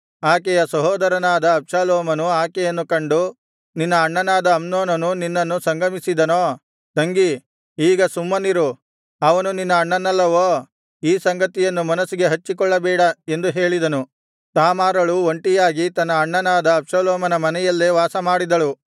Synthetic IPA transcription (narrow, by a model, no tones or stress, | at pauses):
aːk̬ɛjɐsɐɦɔːd̪ɐɾɐnaːd̪ɐːpʂaːloːmɐnuaːkɛjɐnːukɐɳɖu | ninːɐːɳːɐnaːd̪ɐːmnoːnɐnuninːɐnːusɐŋɡɐmisid̪ɐnoː | t̪ɐŋɡi | iːɡɐsumːɐniɾu | ɐʋɐnuninːɐːɳːɐnːɐlːɐʋoː | iːsɐŋɡɐt̪ijɐnːumɐnɐsiɡe̞ɦɐt͡ʃːikɔɭːɐbɛːɽɐe̞nd̪uɦeːɭid̪ɐnu | t̪aːmaːɾɐɭuoɳʈijaːɡit̪ɐnːɐːɳːɐnaːd̪ɐːpʂalɔːmɐnɐmɐnɛjɐlːeʋaːsɐmaːɽid̪ɐɭu